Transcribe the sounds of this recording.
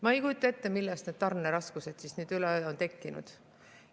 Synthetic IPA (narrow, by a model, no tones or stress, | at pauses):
mɑejkujut̪ːˑɑe̞t̪ːemilːɛst̪ned̪̥̚t̪ɑrnːeɾɑskuse̞d̪̥sisnyːd̪̥ylɛøont̪e̞kːinṵd̪̥